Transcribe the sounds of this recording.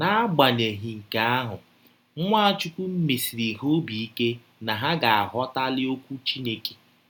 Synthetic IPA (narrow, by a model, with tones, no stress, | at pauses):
na˦ɡ͡ba˨ne˨ɦi˨ŋ̩˨ka˨a˦ɦʊ˨˦ | ŋʷa˦t͡ʃu˦kʷu˦m̩˦me˨si˨ɾi˨ɦo˦bi˨i˦ke˦ | na˨ɦa˦ɡa˨a˨ɦɔ˦ta˦lɪ˦o˦kʷu˦t͡ʃi˦ne˦ke̥˨